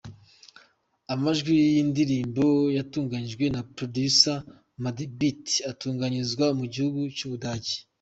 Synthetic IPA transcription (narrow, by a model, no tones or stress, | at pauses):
amaʒɡwijindiɾiːmbo̞jatuːŋɡaɲiʒɡwe̞napɾodusa | madibitatuːŋɡaɲizɡwamuɟihuɡut͡ʃuβudaːɟi̥